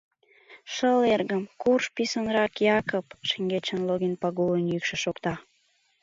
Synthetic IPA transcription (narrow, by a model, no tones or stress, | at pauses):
ʃəlerɣəmkurʃpisonɾɑkjɑkopʃeŋɡet͡ɕənloɣinpɑɣulənjykʃə̆ʃokt̪ɑ